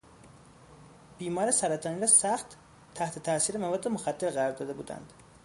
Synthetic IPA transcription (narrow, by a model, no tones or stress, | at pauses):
b̥iːmɒːɾesæɾæt̪ʰɒːniːɾɒːsæxt̪ | tʰːæht̪ʰet̪ʰæsiːɾemævɒːd̪ːemoxæd̪ːe̞ɾɣæɾɒːɾd̪ɒːd̪e̞buːd̪æ̰nd̪̥